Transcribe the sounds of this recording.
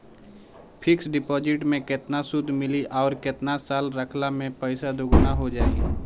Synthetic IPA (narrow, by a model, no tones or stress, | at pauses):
pʰɪksɖɪpɔːd͡ʒɪʈmẽkɪt̪nasʊd̪ʱmɪliʔɔːɾkɪt̪nasaːlɾəkʰlamẽpəɪsad̪ʊɡnaɦod͡ʒaːḭ